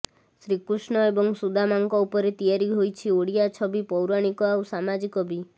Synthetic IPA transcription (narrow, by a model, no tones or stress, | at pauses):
sɾikɾusɳɔebɔŋsud̪ʱamaŋkɔupɔɾet̪ijaɾiɦojt͡ʃʰioɽijat͡ʃʰɔbipɔwɾaɽ̃ikɔawsamad͡ʒikɔbi